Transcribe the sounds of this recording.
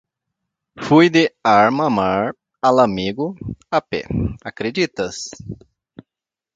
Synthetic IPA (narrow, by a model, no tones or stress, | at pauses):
fujd̪ɪaɾmɐmaɾ | alamiɡʊapɛ̰akɾed͡ʒit̪ɐs